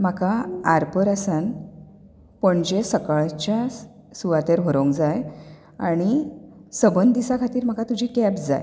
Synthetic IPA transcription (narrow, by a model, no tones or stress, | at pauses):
makaaɾpəɾəsan | pəɳd͡ʑesəkaɭt͡ɕja | suʋat̪eɾɦəɾõŋkd͡zaj | aɽ̃isəbənd̪d̪isakʰat̪iːɾm̤akat̪ud͡ʑʱiːkɛpd͡za̰j